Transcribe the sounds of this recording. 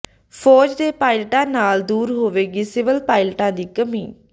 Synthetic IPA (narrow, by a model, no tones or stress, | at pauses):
pʰɔːd͡ʒd̪eːpaːɪlʈãːnaːld̪uːɾɦoːʋeːɡiːsɪʋəlpaːɪlʈãːd̪iːkəmiː